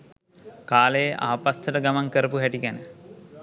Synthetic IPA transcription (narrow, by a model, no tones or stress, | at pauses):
kaːləjəʔa̰ːpast̪əʈəɡamaŋkəɾəpuɦæʈiɡænə